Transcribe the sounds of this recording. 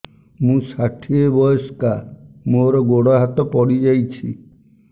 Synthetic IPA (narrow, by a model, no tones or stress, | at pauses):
mũsaʈʰiebɔjɔskamoɾɔɡoɽɔɦat̪ɔpɔɽid͡ʒajt͡ʃʰi